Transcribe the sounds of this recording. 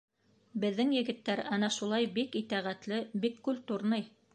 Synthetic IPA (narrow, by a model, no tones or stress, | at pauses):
bɘ̆ðːɘŋjɘ̆ɡɘ̆t̪ːæɾɑnɑʃulˠɑjbikit̪æʁæt̪lɘbikːult̪uɾnɤj